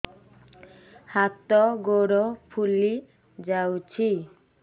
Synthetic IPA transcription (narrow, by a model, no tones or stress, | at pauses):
hat̪ɔɡoɾɔpʰuli | d͡ʒawt͡ʃʰi